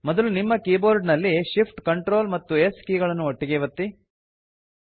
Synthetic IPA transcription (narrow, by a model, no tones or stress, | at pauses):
mɔd̪ɐlunimːɐkiːboːɾɖnɐlːiʃipʰʈkɐɳʈɾo̞ːlmɐt̪ːueskiːɡɐɭɐnːuoʈːiɡeːʋɐt̪ːi